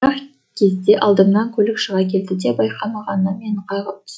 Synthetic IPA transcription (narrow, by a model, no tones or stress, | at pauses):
ɑq | kʲʰe̞zd̪e̞ʔɑlˠd̪əmnɑŋkʲʰɵlɪkʃəʁɑkʲʰe̞ld̪ɪd̪e̞bɑjqʰɑmɑʁɑnnəme̞ɴqʰɑjʁəp̚t̪ʰ